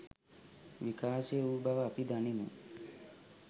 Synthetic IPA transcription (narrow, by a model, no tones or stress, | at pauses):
ʋikaːseubɐʋɐpid̪ɐnimṵ